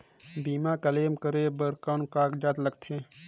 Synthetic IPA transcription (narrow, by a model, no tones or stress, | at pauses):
biːmãːkəleːmkəɾebəɾkaːnkaːkd͡ʒaːt̪ləɡt̪ʰẽː